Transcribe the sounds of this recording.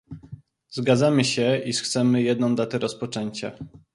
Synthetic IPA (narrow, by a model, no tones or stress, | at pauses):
zɡad̪zamɘɕɛiʂxt̪sɛmɘjɛd̪nɔ̃w̃d̪at̪ɛɾɔspɔt͡ʂɛɲt͡ɕa